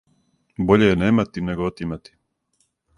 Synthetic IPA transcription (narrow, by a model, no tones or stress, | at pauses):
bo̞ʎejeneːmat̪ineɡoot̪imat̪i̥